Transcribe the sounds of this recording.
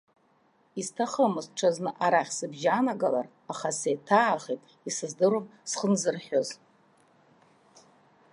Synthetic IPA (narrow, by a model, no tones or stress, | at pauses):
iztʰaχəmɨzʈ͡ʂʰaznɨʔaɾaχʲsɨbʒanaɡala̰r | aχasejtʰaːχitʼ | isɨzdɨɾomsχənzɨrħʲᶣoz